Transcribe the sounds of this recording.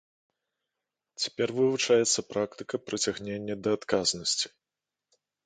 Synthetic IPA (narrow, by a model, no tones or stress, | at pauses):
t͡sʲɛ̥pʲɛrvɨvut͡ʂajɛt̪sːɐpɾʔak̚t̪ɨ̥kɐpɾɐt͡sʲaɣnʲenʲːɐd̪ɐːt̪kaznɐsʲt͡sʲi̥